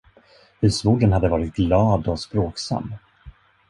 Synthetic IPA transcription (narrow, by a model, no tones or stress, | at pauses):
hʉ̟ːsmuːɖənhad̪ːəvɑːɾɪt̪̚ɡlɑːd̪ɔspɾoːksa̰mː